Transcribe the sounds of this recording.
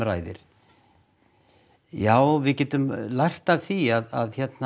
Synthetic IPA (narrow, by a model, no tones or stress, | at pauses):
ɾa̰ːjðɪ̰ɾ̥ | jaːwvɪðcɛːt̪ʏmlajr̥t̪avθiaða̰ðçɛt̪na